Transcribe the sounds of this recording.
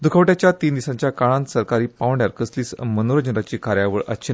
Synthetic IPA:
d̪ʱukʰaʋʈjat͡ɕjat̪iːnd̪isãɲt͡ɕjakaɭãnsəɾkaɾiːpaʋɳɖjaɾkəsliːsmənoɾəd͡ʑəɾat͡ɕiːkaɾjaʋəɭʔə̰tːɕʰə

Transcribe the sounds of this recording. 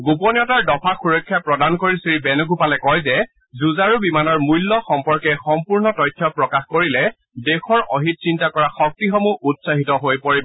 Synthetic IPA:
ɡupɔnjɔtaɹdɔpʰaxuɹɔkʰːjapɹɔdankoɹisiibɛnʊɡʱupalɛkɔjzɛ | zuzaɹubimanɔɹmujlːɔxɔmpɔɹkɛxɔmpuɹnɔtɔjtʰːjɔpɹɔkaxkoɹilɛ | dexʰɔɹɔɦit̚sintakɔɹaxɔk̚tixɔmuʔutsaɦitɔɦojpoɹib

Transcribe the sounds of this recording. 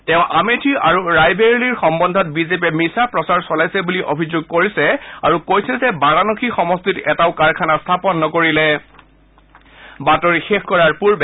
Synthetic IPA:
tɛʊ̃ʔametʰiaɹuɹajbeɹiliɹxɔmbɔndʱɔt̚bizep̬ɛmisapɹɔsaɹsɔlajsɛbuliʔobʱizoɡ̚koɹisɛaɹukojsɛzɛbaɹanɔkʰixɔmɔstitɛtaʊkaɹkʰanast̪ʰapɔnːɔkoɹilɛ | batɔɹixexkɔɹaɹpuɹbɛ

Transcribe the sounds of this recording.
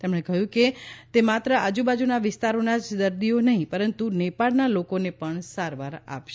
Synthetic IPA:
t̪emɳekəɦjũket̪emat̪ɾəʔad͡ʒubad͡ʒunaʋɪst̪aɾonad͡ʒd̪əɾd̪ionəɦĩpəɾənt̪unepaɽnalokonepəɳsaɾʋaɾa̰pʃe

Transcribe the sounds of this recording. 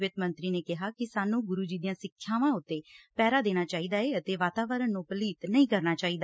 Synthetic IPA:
ʋɪt̪mə̃nt̪ɾiːneːkɪɦaːkɪsaːnũːɡʊɾuːd͡ʒiːd̪ɪjãːsɪkʰːjaːʋãːʊt̪ːeːpɛːɾaːd̪eːñaːt͡ʃaːiːd̪aːeːət̪eːʋaːt̪aːʋəɾənːũːpəliːt̪nəĩːkəɾnaːt͡ʃaːiːd̪aː

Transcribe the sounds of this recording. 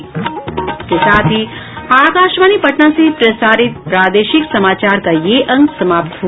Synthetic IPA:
kesaːt̪ʰi | aːkaːʃʋaːnipɐʈnãsepɾɐsaːɾɪt̪̚pɾaːd̪eːʃɪksɐmaːt͡ʃaːɾkajeːʔɐ̃ŋɡsɐmaːpt̪ɦu

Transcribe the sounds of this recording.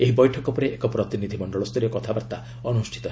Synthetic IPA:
eɦibɔjʈʰɔkɔpɔɾeʔekɔpɾɔt̪inid̪ʱimɔɳɖɔɭɔst̪ɔɾiɔkɔt̪ʰabaɾt̪a | ɔnusʈʰi̥t̪ɔ

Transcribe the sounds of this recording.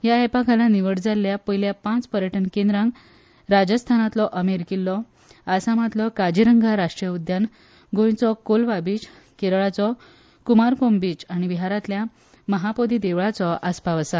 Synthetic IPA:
jaɛpakʰalaniʋəɽd͡zalːjapəjljapãt͡spəɾjəʈʰənkẽnd̪ɾãŋɡ | ɾad͡ʑəst̪ʰanat̪lɔʔəmeɾkilːɔ | asãmət̪lɔkad͡ʑiɾəŋɡʱaɾaʂʈɾijəud̪jan | ɡʱõjt͡sɔkolʋabit͡ɕ | keɾɭat͡sɔ | kumaɾkombit͡ɕaɽ̃iʋiɦaɾat̪lja | məɦapod̪id̪eʋɭat͡sɔʔaspaʋəsa

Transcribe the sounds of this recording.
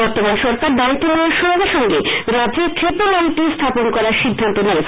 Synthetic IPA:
bɔɾt̪omanʃɔɾkaɾd̪aɾit̪ʰːebeleɾʃoɾaɡeɾʃɔŋɡeɾad͡ʑeɾkʰɾep̪omaʈist̪ʰaponkɔɾaɾʃid̪ʱːant̪onɛe

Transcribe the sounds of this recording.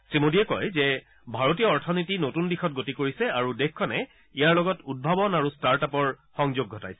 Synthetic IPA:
simodiɛkɔ̰jzɛ | bʱaɹotijɔɔɹtʰɔnitinotundixɔt̚ɡotikoɹisɛaɹudekːɔnɛ | ijaɹlɔɡɔtud̚bʱabɔnaɹustaɹtapɔɹ | xɔŋzoɡʱɔta̰jsɛ̥

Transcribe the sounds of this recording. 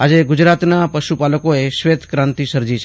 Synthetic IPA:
ad͡ʒeɡʊd͡ʒɾat̪napəʃupaləkoeʃʋet̪ʰkɾãnt̪isəɾd͡ʒit͡ʃʰe

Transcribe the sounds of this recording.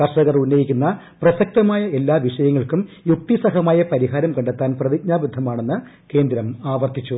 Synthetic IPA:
kɐrʂɐɣɐrunːɐjikʲːunːɐ | prɐsɐk̚t̪ɐmaːjɐe̞lːaːʋiʂɐjɐŋːɐɭkumjuk̚t̪isɐɦɐmaːjɐpɐɾiɦaːɾɐmkɐɳɖet̪ːaːnprɐðiɡɲaːbud̪ʱːɐmaːɳe̞nːɨ | ke̞ːnd̪ɾɐmaːʋɐrt̪it͡ɕːu

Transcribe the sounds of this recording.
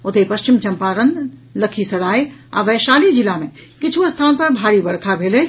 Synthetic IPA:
ʊt̪epɐst͡ʃɪmt͡ʃɐmpaɾənləkʰisɐɽaːia̰ːʋeʃaːlid͡ʒɪlamẽ | kɪt͡ʃʰuɐst̪ʰaːnpɐɾbʱaːɾibɐɽkʰabʱeːle

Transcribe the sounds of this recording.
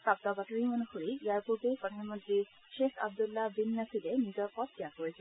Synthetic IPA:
pɹab̚t̪ɔbatɔɹimɔnuxoɹiijaɹpuɹbekɔtʰamɔdi | ʃexa̰b̚d̪ulːabinːasilɛnizɔɹpɔt̪̚ːijakoɹisɛ

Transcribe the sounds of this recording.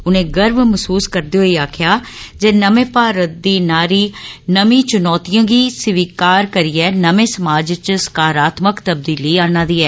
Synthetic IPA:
ʊnẽːɡəɾbməsuːskəɾd̪eːɦoiːaːkʰjaː | d͡ʒeːnəmẽːpaːɾət̪̚d̪iːnaːɾiːnəmĩːt͡ʃʊnɔːt̪ɪjãːɡiːsɪʋiːkaːɾkəɾiːɛːnəmẽːsəmaːd͡ʒt͡ʃskaːɾaːt̪məkt̪əb̚d̪iːliːaːnãːd̪iːɛː

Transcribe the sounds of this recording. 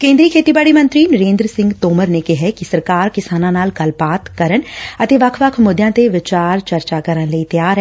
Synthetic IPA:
kẽːnd̪ɾiːkʰeːt̪iːbaːɽimə̃nt̪ɾinəɾẽːnd̪ɾəsɪ̃ŋɡt̪oːməɾnekɪɦɛkisəɾkaːɾkɪsaːnãnaːlkɐlpaːt̪kəɾəɳət̪eʋɐkʰʋəkʰmʊd̪jãːt̪eʋɪt͡ʃaːɾt͡ʃɐɾt͡ʃakəɾənləit̪jaːɾɦɛ

